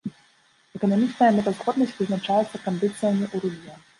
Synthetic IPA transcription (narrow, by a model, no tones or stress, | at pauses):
ɛkɐnɐmʲit͡ʂnɐjɐmɛt̪ɐzɣɔd̪nɐsʲtʲvɨznat͡ʂajɛt̪sːɐkɐnd̪ɨt̪sɨjɐmʲiʔuɾulʲijɐ